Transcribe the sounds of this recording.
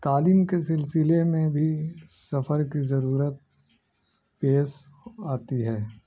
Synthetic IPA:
t̪aːliːmkesɪlsɪlemẽbʱisɐfəɾkizɐɾuːɾət̪̚ | peːs | aːt̪iɦɛː

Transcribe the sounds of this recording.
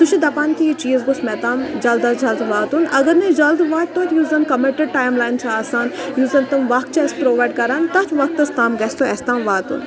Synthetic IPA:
t̪uʃʰid̪ɐpaːnk̪ʰijit͡ʃiːzɡosmɛt̪aːmd͡ʒɐld̪ɐd͡ʒɐld̪ʋaːt̪unʔɐɡɐɾned͡ʒɐld̪ʋaːt̪̚t̪ot̪juːzɐnkɐmeʈeɖʈaːjmlaːjnt͡ʃʰaaːsaːnjuːzɐnt̪ɐmʋɐk̚t͡ʃʰɐspɾoːʋaːjɖkɐɾaːnt̪ɐt͡ʃʋɐk̚t̪ːɐst̪aːmɡɐst̪oɛst̪aːmʋaːt̪ṵn

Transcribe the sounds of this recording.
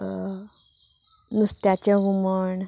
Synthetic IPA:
nust̪jat͡ɕjaɡuməɳ

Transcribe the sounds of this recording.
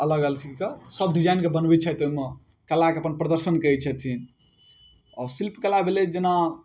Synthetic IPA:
ələɡəlt͡ʃʰikesəb̚did͡ʒajnkebənbit͡ʃʰɛt̪oɦime | kəlːakeəpənpɾəd̪əɾsənkəit͡ʃʰɛt̪ʰin | ɔsilpkelabʱeled͡ʒena

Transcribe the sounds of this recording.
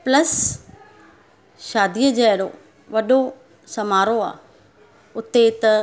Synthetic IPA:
plɐs | ʃaːd̪ʱijəd͡ʑeːɽo̰ | ʋɐɗo | sɐmaːɾoa̰ː | ʊt̪et̪ɐ

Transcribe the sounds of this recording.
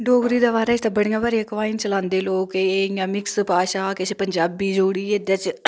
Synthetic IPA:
ɖoːɡɾiːd̪aːbaːɾaːɪst̪aːbəɽjãːbaːɾiəkʋaːɪnt͡ʃəlãːnd̪eːloːkejãːmɪkspaːʃaːkesʰepəɲd͡ʒaːbiːd͡ʒoːɽiːed̪aːt͡ʃ

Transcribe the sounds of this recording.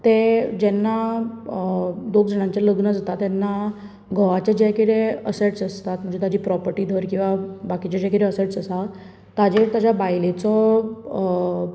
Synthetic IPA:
t̪ed͡ʑɛnːa | d̪okd͡zəɽ̃ãɲt͡ɕjaləɡnəd͡zʱat̪at̪ːɛnːa | ɡʱəʋat͡ɕed͡ʑɛkiɾeəseʈsəst̪at̪̚m̤əɳd͡zet̪ad͡ʑiːpɾɔpəɾʈiːd̪ʱəɾkĩw̃ʋabakit͡ɕad͡ʑakiɾeəseʈsəsaː | ad͡ʑeɾt̪ad͡ʑjabajlet͡sɔ

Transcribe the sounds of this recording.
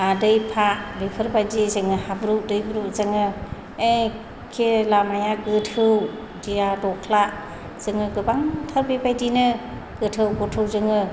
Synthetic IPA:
adɯjpʰaʔbejpʰɯɾbajdizɯŋɯhabɾudɯjbɾuzɯŋɯ | e | kʰelamajaɡɯtʰɯw | diadɔkʰlaʔ | z̥ɯŋɯɡɯbaŋtʰaɾbebajdinɯ | ɡ̥ɯtʰɯwɡɔtʰɯwzɯŋɯ

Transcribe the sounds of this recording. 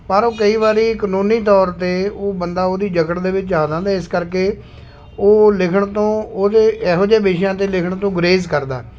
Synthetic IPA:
pəɾoːkəiːβaːɾiːkənũːniːt̪ɔːɾt̪eːoːbənd̪aːoːd̪iːd͡ʒəkəʈd̪eːʋɪt͡ʃaːd͡ʒãːnd̪aːɪskəɾkeː | oːlɪkʰəɳt̪õːoːt̪eːʔɛːɦoːd͡ʒeːbeːʃjãːt̪eːlɪkʰəɳt̪õːɡəɾeːzkəɾd̪a̰ː

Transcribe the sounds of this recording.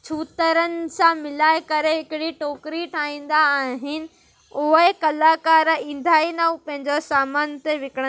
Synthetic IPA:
t͡ɕʰuːt̪əɾənɪ̆sãmɪlaːɪkɐɾeɦɪkɪɽiʈoːkɾiʈʰaːĩːn̆d̪aːɦɪnɪ̆ | ʊɦekɐlaːkaːɾĩːn̆d̪ʱaːinɐũpɐ̃ɦɪ̃ɲd͡ʑosaːmaːnt̪eʋɪkəɽə̃

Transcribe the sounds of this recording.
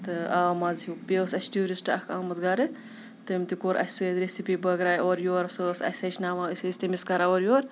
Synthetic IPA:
t̪ɨaːmazupesɐsʈuːɾisʈɐ̰kʰaːmɐt̪ɡaɾɨ | t̪ɐmʲt̪ikoɾʔɐ̰sezɾesipiːbɐɡɾaːjoːɾjoːɾsəsɐ̰sɐt͡ʃnaːmaɨsesʲt̪ɐmiskaɾaoːɾjoːɾ

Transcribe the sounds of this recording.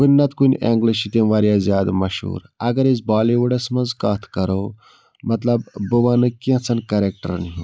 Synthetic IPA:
kunʲnɐt̪kunʲeŋɡliʃit̪eʋaːɾijaːzʲjaːd̪mɐʃhṵːɾɐɡɐɾizbaːliʋuɖɐsmɐnzkaːt̪ʰkɐɾoː | mɐt̪lɐbːɨʋaːnɨkiɐ̃t͡sʰɐnkɐɾek̚ʈɐ̰ɾniɦo

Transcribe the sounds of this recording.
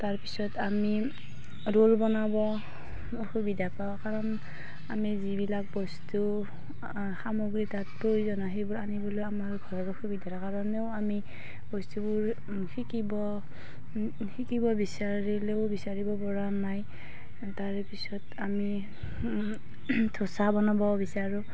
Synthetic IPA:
taɹpi̥sɔtami | ɹolbɔnabɔ | oxubidapakaɹɔn | a̰mizibilak̚bɔstu | xamoɡɹitat̚pɹojzɔnaɦejbʊɹanibɔlojamaɹɡʱɔɹɔɾoxubidʱaɾakaɹɔnɛʊami | bɔstubʊɹ | xikibɔ | xikibɔbisaɹilebisaɹibɔpɔɹanaj | taɹɛpisɔtami | tʰosabɔnabɔbisaɹu

